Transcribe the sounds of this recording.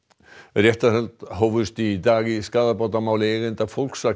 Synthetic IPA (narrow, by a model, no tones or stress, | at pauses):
rjɛht̪aθɛlt̪howvʏst̪id̪aːɣɪskaːðapawt̪amaːwlɪɛɣɪnt̪afowlksa